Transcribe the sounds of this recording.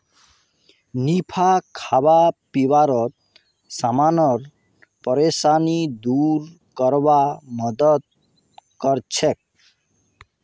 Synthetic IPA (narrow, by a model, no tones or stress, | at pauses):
nipʰakʰabapibaɾɔt̪̚ | samanɔɾ | pɔɾesanid̪uɾ | kɔɾbamɔd̪ɔt̪̚ | kɔɾt͡ɕʰek̚